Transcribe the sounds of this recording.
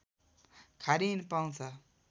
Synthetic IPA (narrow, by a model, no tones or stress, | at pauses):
kʰaɾinipaw̃t͡sʰʌ